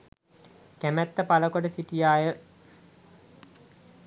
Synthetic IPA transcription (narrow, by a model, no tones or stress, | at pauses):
kæmæt̪ːəpaləkoɖəsiʈijaːjə